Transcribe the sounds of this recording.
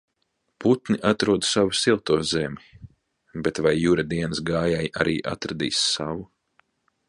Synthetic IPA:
put̪niʔat̪ɾuɔd̪savusilˠt̪uɔzemʲi | bet̪vajːuɾad̪iɛnsɡaːjaja̰ɾʔiːʔa̰t̪ɾad̪ḭːsːavu

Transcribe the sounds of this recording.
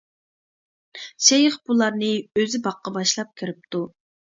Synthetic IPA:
sɛjɪχbulˠɑɾnɨøzɪbɑqːɑbɑʃlˠɑp̚kʲʰiɾɪp̚t̪ʰu

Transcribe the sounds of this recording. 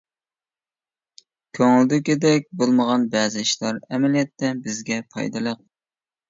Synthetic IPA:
kʲʰøŋɪld̪ɪkʲid̪ɛk̚ʲbolˠməʁɑnbæzɪʃlˠɑɾɛmɛlijɛt̪ʰːɛbɪzɡʲɛpʰɑ̰jd̪ɨlˠəq̚

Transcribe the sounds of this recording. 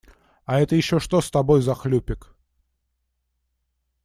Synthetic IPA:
aɛt̪əjɪɕːoʂt̪ost̪ɐbojzɐxlʲupʲɪk

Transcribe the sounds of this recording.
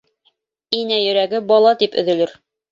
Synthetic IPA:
inæjɵ̆ɾæɡɘbɒlˠɑt̪ipɵ̆ðɵ̆lɘɾ

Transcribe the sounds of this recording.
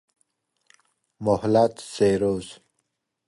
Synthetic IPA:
mohlat̪seɾoːz

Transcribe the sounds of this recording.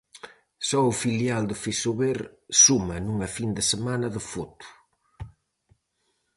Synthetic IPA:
sɔʊfiljald̪ʊfisoβeɾsumɐnuŋɐfind̪əsemanɐðəfot̪u̥

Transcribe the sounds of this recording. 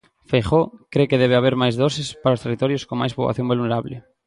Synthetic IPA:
feχokɾekeðɛβ̞eaβ̞eɾmajzðosɪspaɾaost̪erit̪ɔɾjoskoŋmajspo̰ɣa̰θjoŋbuluneɾaβlɪ

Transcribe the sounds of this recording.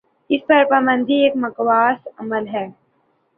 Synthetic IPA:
ɪspɐɾpəbə̃nd̪ʱieːkmɐkwaːsɐməlɦɛː

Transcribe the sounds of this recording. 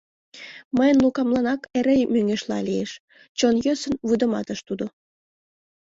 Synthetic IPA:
məjənlukɑmlɑnɑkeɾejmyŋeʃlɑ̰lieʃ | t͡ɕonjøsənβud̪ə̆mɑt̪əʃt̪ud̪o

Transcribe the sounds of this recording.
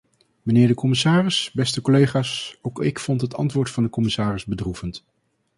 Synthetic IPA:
mənɪːɹdəkɔmɪsaːrɪsbɛstəkɔlejχaːsowkɪkfɔntɦətɑ̰ntʋʊːɹtfɑndəkɔmɪsaːrɪzbədruvənt

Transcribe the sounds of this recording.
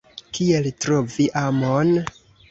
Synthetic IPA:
kieltɾo̞viʔamon

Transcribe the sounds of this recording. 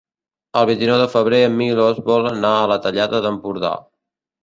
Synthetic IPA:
əlˠβint̪inɔwðəfəβɾeəmːilozβɔlənaələt̪əʎaðəðəmpuɾða̰

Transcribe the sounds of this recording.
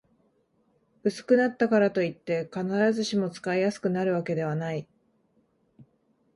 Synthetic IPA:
bɯ̟sɨ̥kɯ̟nat̪ːakaɾat̪o̞it̪ːe̞kanaɾazɨɕimo̞t͡sɨ̥kaijasɨ̥kɯ̟naɾɯ̟βake̞d̪e̞β̞anai

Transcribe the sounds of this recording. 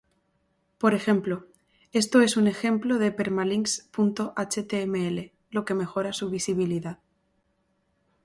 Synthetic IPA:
po̞ɾe̞xe̞mplo | e̞st̪o̞e̞sunexe̞mplo̞ð̞epe̞ɾmaliŋspunt̪o̞ʔat͡ʃet̪eemeele̞ | lo̞ke̞me̞xo̞ɾasuβ̞isiβiliðað

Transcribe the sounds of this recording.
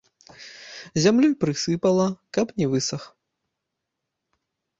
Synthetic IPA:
zʲamlʲupɾɨsɨpɐlˠɐkɐpnʲɛvɨsɐx

